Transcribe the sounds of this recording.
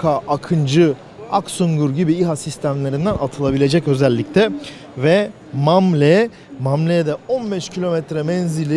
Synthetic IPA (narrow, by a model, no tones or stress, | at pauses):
kʰaʔakʰɯnd͡ʒɯ | a̰ksuŋɡuɾɟibiiɦasist̪ʰæmlʲe̞ɾind̪ænat̪ʰɯlˠabilʲe̞d͡ʒɛcø̞zɛlʲːict̪ʰɛ | vɛ | mamlʲɛ | mamlʲed̪ɛo̞nbɛʃcʰilʲo̞mɛt̪ɾɛmɛnzilʲi